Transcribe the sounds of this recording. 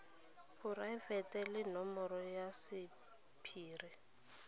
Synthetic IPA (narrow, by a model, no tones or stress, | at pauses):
fʊraɪvɛtʼɛlɪnɔmɔɾɔjasɪ | pʰiːri